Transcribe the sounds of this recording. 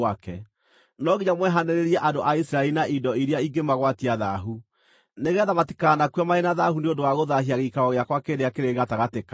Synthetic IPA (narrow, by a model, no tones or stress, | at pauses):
akɛ | nɔɡiɲamwɛɦaneɾeɾiɛʔandoʔaisɾaeinaʔidɔiɾeaiŋɡemaɣwatiaðaɦu | neɣɛːðamati̥kanakwamaenaðahuneondowaɣoðaɦiaɣeikaɾɔɣeakwakeɾeakeɾeɣataɣateka